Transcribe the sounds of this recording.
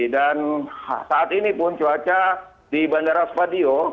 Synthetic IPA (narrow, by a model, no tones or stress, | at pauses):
dansaat̪inipʊnt͡ʃuat͡ʃa | dibandaɾaspadio